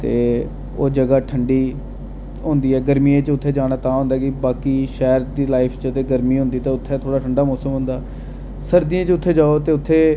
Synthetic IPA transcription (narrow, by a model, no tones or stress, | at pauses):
t̪eː | oːd͡ʒəɡaːʈʰəɳɖiː | ɦʊ̃ːnd̪iːɛːɡəɾmiːẽːt͡ʃʊt̪ʰːeːd͡ʒaːɽ̃aːt̪ãːɦʊ̃nd̪aːkɪbaːkiːʃɛːɾd̪iːlaːɪpʰt͡ʃət̪eːɡəɾmiːɦʊ̃ːnd̪iːt̪eːʊt̪ʰːeːt̪ʰoːɽaːʈʰəɳɖaːmɔːsəmɦʊ̃ːnd̪aː | səɾd̪ɪãːt͡ʃʊt̪ʰːeːd͡ʒaːoːt̪eːʊt̪ʰːeː